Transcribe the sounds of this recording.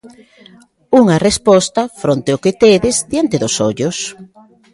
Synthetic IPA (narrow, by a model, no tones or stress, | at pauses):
uŋɐrespɔst̪ɐfɾont̪eʊket̪eðɪzd̪jant̪ɪðʊsoʎʊs